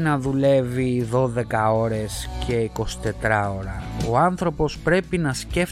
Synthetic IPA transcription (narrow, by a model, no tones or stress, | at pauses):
nɐðule̞viðo̞ðe̞kɐo̞ɾe̞sce̞iko̞si̥t̪e̞t̪ɾɐo̞ɾɐo̞ɐnθɾo̞po̞spɾe̞pinɐsce̞f